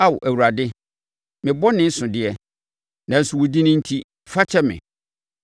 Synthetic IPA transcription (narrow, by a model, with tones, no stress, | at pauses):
a˦wʔæ˨wu˨ɾa˨dɪ˦ | mɪ̃˨bɔ˦nɪ̃˦n̩˦sʊ̃˨dɪ˨ɛ˦ | nã˨n̩˨sʊ˨wʊ˨di˦nʊ̃˦n̩˦tʰi˦ | fa˦t͡ɕʰɛ˦mɪ̰̃˨